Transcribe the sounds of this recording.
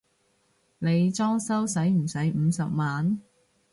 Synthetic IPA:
ne˨˧jt͡sɔː˥ŋsɐ˥wsɐ˨˥jm̩˨˩sɐ˨˥jm̩ː˨˧sɐ˨p̚maː˨n

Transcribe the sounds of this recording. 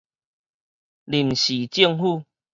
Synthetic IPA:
li˨˩mɕi˨˩t͡ɕi˥˧əŋhu˥˧

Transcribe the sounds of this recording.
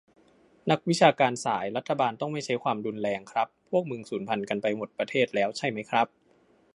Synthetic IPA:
na˦˥k̚wi˦˥t͡ɕʰaː˧kaː˧nsaː˩˦jɾa˦˥t̪ʰːa˧baː˧nt̪ɔ˥˩ŋma˥˩jt͡ɕʰa˦˥jkʰwaː˧mdu˧nlɛː˧ŋkʰɾa˦˥pʰːu˥˩k̚mɯ˧ŋsuː˩˦npʰa˧nka˧npa˧jmo˨˩t̪̚pɾa˧t̪ʰeː˥˩t̪̚lɛː˦˥wt͡ɕʰa˥˩jma˦˥jkʰɾa˦˥p̚

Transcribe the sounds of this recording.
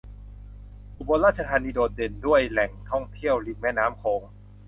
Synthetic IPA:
ʔu˨˧˩bo˧nɾaː˥˩t̪̚t͡ɕa˧t̪ʰaː˧niː˧doː˨˩t̪̚de˧ndu˥˩əjlɛ˨˩ŋt̪ʰɔ˥˩ŋt̪ʰi˥˩əwli˧˩ŋ̚mɛ˦˥˩naː˦˥mkʰoː˧ŋ

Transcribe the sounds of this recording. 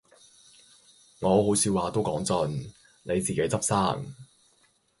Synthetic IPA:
ŋɔː˨˧ɦo˨˥wsʰiː˨˧waː˨˧t̪o˥wkɔː˨˥ŋt͡sɔ˨n | nʔe˨˧jt͡siː˨ke˨˥jt͡sɐ˥p̚saː˥ŋ

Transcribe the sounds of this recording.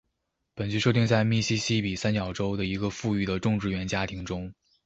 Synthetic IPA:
pə˨˩nt͡ɕy˧˥ʂɤ˥˧t̪i˥˧ŋt͡sa˥˧ɪmi˥˩ɕi˥ɕi˥pi˨˩sa˥nt͡ɕjɑ˨˩ʊʈ͡ʂo˥ʊd̪ə˨i˧˥ɡə˧fu˥˧y˥˩d̪ə˩ʈ͡ʂʊ˥˧ŋʈ͡ʂɻ̩˥˩ɥɛ˧˥nt͡ɕja˥t̪ʰi˧˥ŋʈ͡ʂʊ˥ŋ

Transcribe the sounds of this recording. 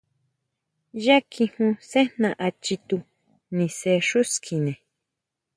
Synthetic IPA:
ja˦kʰi˧hũ˧se˦nã˨ʔa˧t͡ʃi˧t̪u˧ | nĩ˨se˧ʂu˦skʰi˨nẽ˨

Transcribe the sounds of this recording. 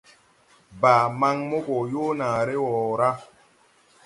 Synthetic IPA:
baː˨ma˦ŋmo˦ko˨joː˦naː˨ɾe˦wɔː˨ɾa˦

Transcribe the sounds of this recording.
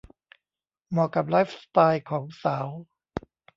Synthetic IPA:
mɔː˧˩ka˨˩p̬̚laː˦˥jfst̪aː˧jkʰɔː˩˦ŋsaː˩˦w

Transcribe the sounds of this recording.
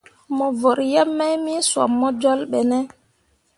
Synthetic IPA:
mɔ˨vɔ˨ɾjɛ˦mːɛ˦jmi˦swɔ̰˨mːɔ˦d͡ʒɔ˦lɓɛnɛ˦

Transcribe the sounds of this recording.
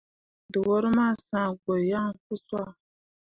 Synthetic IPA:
dɨ˨wo˦ɾɨ˦maː˦˨sãː˦˨ɡo˨ja˦ŋku˦swa˦˨

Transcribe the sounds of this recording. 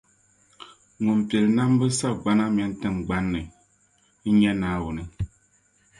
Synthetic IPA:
ŋʊ˨mpɛ˨lɨ˨na˦m˦bɨ˦sa˦bɡ͡ba˦na˦m˨ɛ˨˦n˦tɨ˦ŋɡ͡ba˦nːɨ˨ | n̩˦ɲɛ˦naː˦wʊ˨nɨ˦

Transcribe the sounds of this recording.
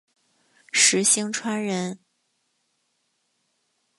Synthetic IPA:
ʂɻ̩˧˥ɕi˥ŋʈ͡ʂʰwa˥nɻə˧˥n

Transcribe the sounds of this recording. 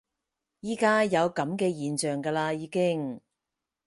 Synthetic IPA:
jiː˥kaː˥jɐ˨˧wkɐ˨˥mkɛː˧jiː˨nt͡ʃœː˨ŋkaː˧laː˧jiː˨˧kɪ˥ŋ

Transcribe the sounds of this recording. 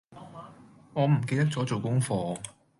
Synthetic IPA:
ŋɔː˨˧m̩˨˩k̬e˧jt̪ɐ˥k̚t͡sɔː˨˥t͡so˨wkʊ˥ŋfɔː˧

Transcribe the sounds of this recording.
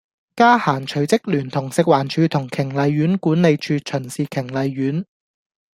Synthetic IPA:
kaː˥haː˨˩nt͡ʃʰɵ˨˩ɥt͡sɪ˥k̚lyː˨˩nt̪ʰʊ˨˩ŋsɪ˨k̚waː˨˩nt͡ʃʰyː˨˧t̪ʰʊ˨˩ŋkʰɪ˨˩ŋlɐ˨˧jːyː˨˥nkuː˨˥nle˨˧jt͡ʃʰyː˧t͡ʃʰɵ˨˩nsiː˨kʰɪ˨˩ŋlɐ˨˧jːyː˨˥n

